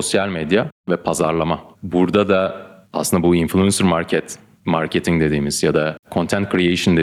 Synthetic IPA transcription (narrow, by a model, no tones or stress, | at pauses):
o̞sjalʲmed̪javɛpʰazaɾlˠamabuɾd̪ad̪a | aːsɯnd̪abuinflʲuɛnsɯɾmaɾcʰɛt̪ | maɾcʰe̞t̪ʰiŋd̪e̞d̪iːmiz̥jad̪akʰo̞nt̪ʰɛnt̪̚kʰɾijeʃɯnd̪e